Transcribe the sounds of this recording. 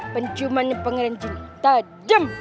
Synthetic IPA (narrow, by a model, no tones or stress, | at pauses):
pənt͡ʃumanpəŋɾand͡ʒint̪a | dəm